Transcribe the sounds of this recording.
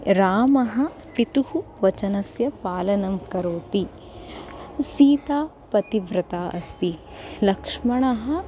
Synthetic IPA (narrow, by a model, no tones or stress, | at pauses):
ɾaːmɐɦɐ̆ | pit̪uhuʋɐt͡ʃɐnɐsjɐpaːlɐnɐmkɐɾoːt̪i | siːt̪aː | pɐt̪iʋɾɐt̪aːʔɐst̪i | lɐkʂmɐɳɐɦɐ̆